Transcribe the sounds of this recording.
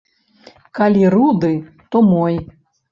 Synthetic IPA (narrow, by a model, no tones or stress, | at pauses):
kalʲiɾud̪ɨ | t̪ɔmɔj